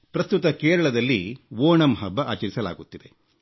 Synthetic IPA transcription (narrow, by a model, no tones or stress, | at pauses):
pɾɐst̪ut̪ɐkeːɾɐɭɐd̪ɐlːiʋoːɳɐmɦɐbːɐʔaːt͡ʃɐɾisɐla̰ːɡut̪ːid̪e̞